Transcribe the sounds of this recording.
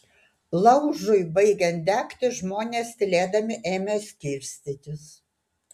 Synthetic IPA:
lˠɐʊʒʊɪbɐɪɡʲɛnt̪̚d̪ʲæːkt̪ʲɪʒmoːnʲeːst̪ʲɪlʲeːd̪ɐmʲɪʔeːmʲesʲkʲiːɾʲsʲt̪ʲɪt̪ʲɪs

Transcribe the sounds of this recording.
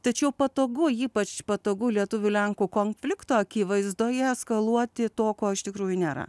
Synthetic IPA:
t̪ɐt͡ʃʲɛʊpɐt̪oːɡʊiːpɐt͡ʃpɐt̪oːɡʊlʲiɛt̪ʊʋʲʊlʲɛŋkuːkoːnʲfʲlʲɪkt̪oːɐkʲiːʋɐɪzd̪oːjɛskɐlˠuɔt̪ʲɪt̪oːkoːɪʃt̪ʲɪkɾuːjʊnʲeːɾɐ̰

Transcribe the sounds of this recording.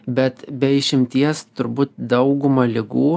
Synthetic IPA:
bʲɛt̪bʲɛɪʃʲɪmʲt̪ʲiɛst̪ʊɾbuːt̪d̪ɐʊɡʊmɐlʲɪɡuː

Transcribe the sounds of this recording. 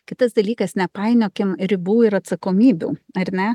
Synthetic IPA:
kʲɪt̪ɐsd̪ɐlʲiːkɐsnʲɛpɑɪnʲoːkʲɪmɾʲɪbuːɪɾɐt̪sɐkoːmʲiːbʲṵːɐɾʲnʲɛ

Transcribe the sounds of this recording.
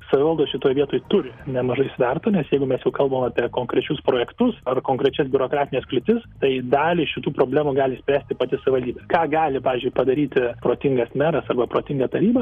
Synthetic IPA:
sɐʋʲɪʋɐlˠd̪oːʃʲɪt̪oːjʋʲiɛt̪oːjɪt̪ʊɾʲɪnʲɛmɐʒɐɪsʋʲɛrt̪ɐːnʲɛsjɛɪɡʊmʲɛsjɛʊkɐlˠbɐomɑːpʲiɛkoːŋkɾʲɛt͡ʃʲʊspɾoːjɛkt̪ʊsɐrkoːŋkɾʲɛt͡ʃʲɛsbʲʊɾoːkɾɑːt̪ʲɪnʲeːsklʲɪt̪ʲɪst̪ɐɪd̪ɑːlʲɪʃʲɪt̪uːpɾoːbʲlʲæːmuːɡɑːlʲɪsʲpʲɾʲæːsʲt̪ʲɪpɐt̪ʲɪsɐʋʲɪʋɐlʲd̪ʲiːbʲeːkɑːɡɑːlʲɪpɑːʋʲɪːzʲd͡ʒʲʊɪpɐd̪ɐɾʲiːt̪ʲɪpɾoːt̪ʲɪŋɡɐsmʲæːɾɐsɐrbɐpɾoːt̪ʲɪŋɡɐt̪ɐɾʲiːbɐ

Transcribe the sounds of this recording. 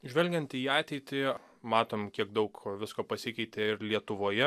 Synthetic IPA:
ʒʲʋʲɛlʲɡʲɛnt̪iːɑːt̪ʲɛɪt̪ʲɪ | mɑːt̪oːmkʲiɛɡd̪ɐʊkʋʲɪskoːpɐsʲɪkʲɛɪt̪ʲeːɪɾlʲiɛt̪ʊʋoːjɛ

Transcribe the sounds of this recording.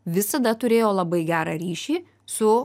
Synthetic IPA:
ʋʲɪsɐd̪ɐt̪ʊɾʲeːjoːlˠɐbɐɪɡʲæːɾɑɾʲiːʃʲiː | sʊ

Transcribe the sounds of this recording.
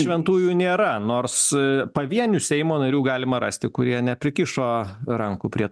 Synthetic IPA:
ʃʲʋʲɛnt̪uːjuːnʲeːɾɐnoːrspɐʋʲiɛnʲusʲɛɪmoːnɐɾʲuːɡɑːlʲɪmɐɾɑ̰sʲt̪ʲɪkʊɾʲiɛnʲɛpʲɾʲɪkʲɪʃoːɾɐŋkʊpʲɾʲiɛ

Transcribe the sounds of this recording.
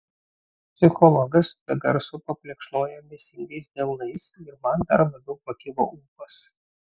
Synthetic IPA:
pʲsʲɪxɔlˠɔɡɐsbʲɛɡɐɾsʊpɐpʲlʲiɛkʃnoːjɛmʲesʲɪŋʲɡɐɪsd̪ʲelˠnɐɪsɪɾmɐnd̪ɐɾlˠɐbʲɛʊpɐkʲɪʋo̰ʔuːpɐs

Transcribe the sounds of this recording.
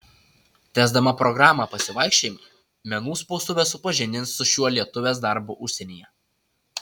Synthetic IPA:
t̪ʲæːzd̪ɐmɐpɾɔɡɾɑːmɑːpɐsʲɪʋɐɪkʃʲt͡ʃʲeːjm | mʲɛnuːspɔʊsʊʋʲɛsʊpɐʒʲɪnʲd̪ʲɪnsːʊʃʲuɔlʲiɛt̪ʊʋʲeːs̬d̪ɑˑɾbuʔʊʃʲsʲɛnʲiːjɛ

